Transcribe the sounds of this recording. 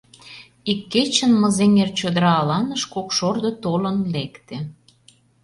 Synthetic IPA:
ikːet͡ɕə̆nmə̆zeŋert͡ɕod̪əɾɑːlɑnəʃkokʃord̪ə̆t̪olə̆nlekt̪ĕ

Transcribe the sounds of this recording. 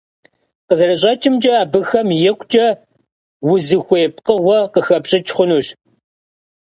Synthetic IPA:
qəzɐrɐɕ̬ʼɐt͡ʃʼɪmd͡ʒʼɐaːbɨxɐmjɪkʷʰʼt͡ʃʼɐ | wʊzɨxʷeːp̚ʰʼqəʁʷɔqəxɐpɕʼɪt͡ʃʰʼχʷʊnuːɕ

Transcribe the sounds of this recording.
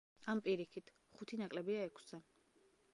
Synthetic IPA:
ampʼiɾikʰit̪ʰ | χut̪ʰinakʼlɛbiaɛkʰszɛ

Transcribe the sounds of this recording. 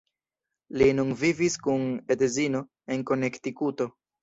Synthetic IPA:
linunviviskunedezino̞ | e̞nko̞ne̞ktikuto̞

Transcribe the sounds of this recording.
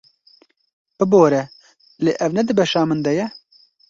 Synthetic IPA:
b̥ɨboːɾɛ | lḛːʔɛvnɛd̪ɨbɛʃɑːmɨnd̪ɛjɛ

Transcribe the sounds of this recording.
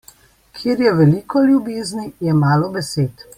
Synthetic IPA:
kʰjeːɾjɛʋɛlikɔljubeːznijɛmaːlɔbɛseːt̪

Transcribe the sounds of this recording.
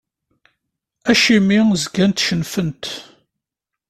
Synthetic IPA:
æʃimizɡænt̪ʃənfənt̪

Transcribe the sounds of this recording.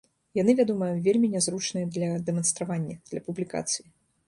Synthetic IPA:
janɨvʲad̪ɔmɐvʲelʲmʲinʲazɾut͡ʂnɨjɛd̪lʲɐd̪ɛmɐnst̪ɾavanʲːɐd̪̥lʲɐpublʲika̰t̪sɨji

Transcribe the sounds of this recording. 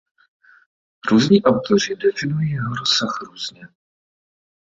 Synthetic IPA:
ɾuːzɲiːʔawt̪o̞r̝ɪdɛfɪnujiːjɛɦoɾosaxɾuːzɲɛ

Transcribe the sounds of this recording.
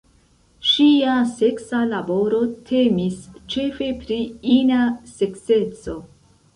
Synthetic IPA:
ʃiase̞ksalabo̞ɾo̞tʰemist͡ʃe̞fe̞pɾiinase̞kse̞t͡so̞

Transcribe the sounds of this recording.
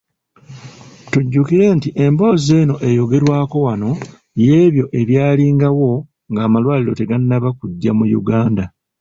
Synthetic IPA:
tuɟːukiɾe̞ːntiʔe̞mbo̞ːze̞ːno̞ʔe̞jo̞ɡe̞ɾwaːko̞wano̞ | je̞ːβjo̞ʔe̞βjaːliːŋɡawo̞ | ŋɡaːmalwaːliɾo̞te̞ɡanːaβakuɟːamujṵɡaːnda

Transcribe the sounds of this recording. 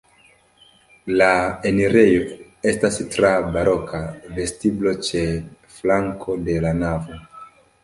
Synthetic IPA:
laeniɾe̞jo̞ | e̞stastɾabaɾʔo̞kʰave̞stiblo̞t͡ʃe̞ | flaŋkʰo̞de̞lanavo̞

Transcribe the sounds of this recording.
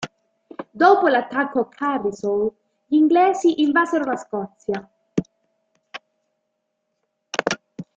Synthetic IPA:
d̪oːpolat̪ːakːokʰabisol | ʎiŋɡlɛːsiʔiɱvazeɾolaskɔt̪sja

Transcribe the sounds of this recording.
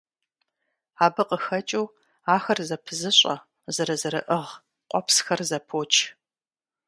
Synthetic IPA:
aːbɨqəxɐt͡ʃʼuw | aːxɐrzɐpʰɨzɨɕʼɐ̰ | zɐɾɐzɐɾɨʔɨʁ | qʷʼɔpʰsxɐrzɐpʰoːt͡ʃʰʼ

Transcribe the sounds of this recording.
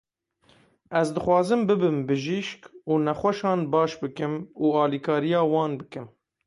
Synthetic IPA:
ɛzd̪ɨxwɑːzɨmbɨbɨmbɨʒiːʃkuːnɛxwɛʃɑːnbɑːʃbɨkɨmuːɑːlikʰɑːɾijɑːwɑːnbɨkɨm

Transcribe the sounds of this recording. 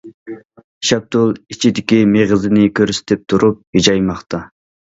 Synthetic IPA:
ʃɛb̚t̪ʰulˠit͡ʃʰid̪ɪkʲimeʁzɪnɪkʲʰøɾsɪ̥t̪ʰɪp̚t̪ʰuɾʔup̚hid͡ʒɑjmɑχt̪ʰɑ

